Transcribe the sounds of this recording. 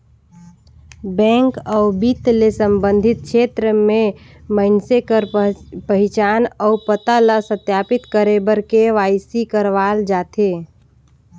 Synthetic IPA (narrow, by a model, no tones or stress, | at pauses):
bɛ̃ŋkəʊbit̪lesəmbənd̪ʱit̪̚kʰet̪ɾəmeməɪnsekəɾpəɦɪt͡ʃaːnəʊpət̪aləsət̪japit̪kəɾebəɾkeʋajsikəɾʋaːld͡ʒaːt̪ʰe